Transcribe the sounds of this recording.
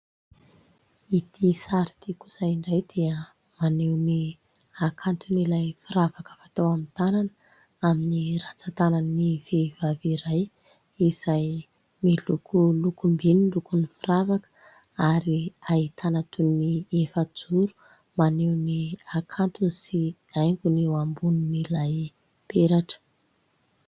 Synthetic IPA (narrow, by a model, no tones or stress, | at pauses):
it̪ʰisaɾi̥t̪ikuz̥ajiɳɖ͡ʐajd̪̥eə | manewni | akʰant̪unilajfiɾavakə̥fat̪awamit̪ananə | aminiɾat͡sat̪anannivevaviɾaj | iz̥aj | milukʰulukumbinilukunifiravakə̥ | aɾiait̪ʰanat̪uniefəd͡zuɾu̥ | manewniakʰant̪usiajŋɡunewambununilaj | peɾaʈ͡ʂə̥